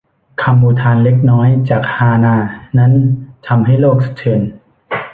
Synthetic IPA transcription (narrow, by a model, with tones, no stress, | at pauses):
kʰa˧mbuː˧t̪ʰaː˧nle˦˥k̚nɔː˦˥jt͡ɕaː˨˩k̚haː˧naː˧˩na˦˥nt̪ʰa˧mɦa˥˩jloː˥˩k̚sḁ˦˥t͡ɕʰɯ˧˩˦n